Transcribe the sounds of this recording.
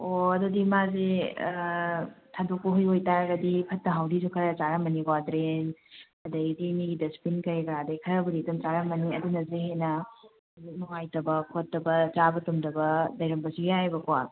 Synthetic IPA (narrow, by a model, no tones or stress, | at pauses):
oɐdudimaze | tʰadokːuɦujojtaɾɐɡɐdipʰɐtːɐɦawdizukʰɐɾɐt͡ʃaɾɐmɐniɡwadɾen | ɐdɐdiniɡidɐspinkɐɾjɡɾadɐjkʰɐɾɐbɐɾitumt͡ʃaɾɐmɐniɐdunɐzeɦenɐ | zinɔŋajtɐbɐkʰotːɐbɐt͡ʃabɐtumdɐbɐdɐjɾɐmbɐsiɡiajbɐkwa